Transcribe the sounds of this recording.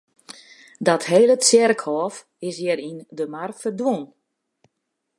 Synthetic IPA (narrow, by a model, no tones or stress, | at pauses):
dɔtɦeːlət͡sɪrkhɔːf | ɪsjɛɾindəmarfərdwon